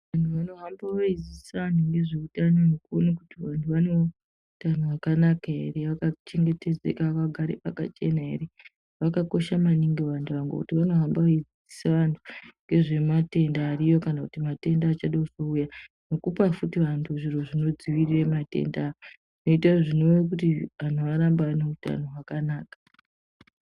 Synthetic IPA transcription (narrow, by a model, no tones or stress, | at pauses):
ʋantʰuʋano̞ɦambaʋaid͡ziisaʋantʰuŋɡe̞ʐeutanonekuonakutiʋantʰuʋane | utanoakanakae̞̰reʋakat͡ʃe̞ŋɡe̞te̞d͡zḛkaʋakaɡʱaɾḛpaka̰t͡ʃe̞nae̞̰re | ʋakako̞ʃamaniŋɡeʋantʰuʋaŋɡḛkutiʋano̞ɦambaʋaid͡zii̥saʋantʰu̥ŋɡe̞ʐe̞mate̞ndaːrijo̞kanakutimate̞ndaːt͡ʃaɗouz̥ouja | no̞kupafutiʋantʰuʐiro̞ʐino̞d͡ziʋiriremate̞̰ndaːo | ino̞itaʐino̞ʋek̬utian̤oʋaɾambaːneuta̰no̞ɦwakanaːkḁ